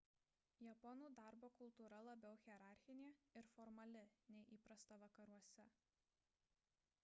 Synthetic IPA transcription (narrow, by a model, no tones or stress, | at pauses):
jɛpɔnuːd̪ɑˑɾboːkʊlˠt̪uːɾɐlˠɐbʲɛʊxʲiɛɾɑˑɾʲxʲɪnʲeːɪɾfɔɾmɐlʲɪnʲɛɪʔiːpɾɐst̪ɐʋɐkɐɾuɔsʲɛ